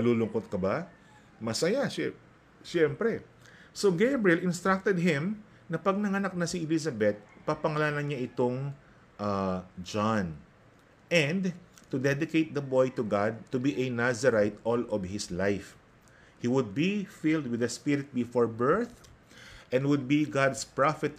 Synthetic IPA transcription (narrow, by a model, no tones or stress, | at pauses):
ɐluːlʊŋkot̪̚kɐba | mɐsɐjaʃɛ | ʃɛmpɾɛ | soɡejbɹiɛlɪnst̪ɹak̚t̪ɛd̪̚ɦɪ̃m | nɐpɐɡ̚nɐŋɐnak̚nɐsiɛlisɐbɛt̪̚papɐŋɐlaːlɐɲaʔɪt̪oŋ | ʔad͡ʒan | ʔɛ̃nd̪t̪ʊd̪ɛd̪ɪkejt̪̚d̪ɐbojt̪ʊɡad̪̚t̪ʊbiʔɐnazɐɾajt̪ʔɔlɔvhɪslajf | hiwʊd̪̚bifɪld̪̚wɪðɐspɪɾɪt̪̚bɪfoɹbɛɹθ | ʔɛ̃nwʊd̪̚biɡad̪spɹafɛt̪